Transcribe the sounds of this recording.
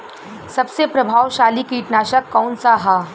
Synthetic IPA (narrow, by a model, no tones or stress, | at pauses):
sɐbsepɾɐbʱaːwʃaːlikiːʈnaːʃəkːɔːnsaɦaː